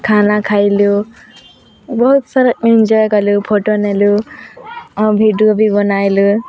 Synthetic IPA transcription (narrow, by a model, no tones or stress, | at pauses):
kʰanakʰajlu | bɔɦut̪sʌɾəkmind͡ʒɔjkɔlupʰoʈonelu | bʱiɖiobʱibɔnajlu